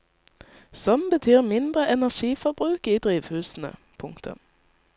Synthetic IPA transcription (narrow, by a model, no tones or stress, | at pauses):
sɔmbət̪ʰyːʁmɪnd̪ʁəʔɛnæʁʃiːfɔʁbʁʉːkiːd̪ʁiːʋhʉːsn̩ə̰ | pʰʊŋkt̪ʰə̰n